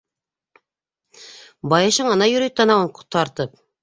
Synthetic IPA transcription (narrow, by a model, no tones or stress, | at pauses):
bɑjɑɕɤɴɑnɑjɵ̆ɾyjt̪ːɑnɑwɤɴqu̥t̪ɑɾt̪ɤp̚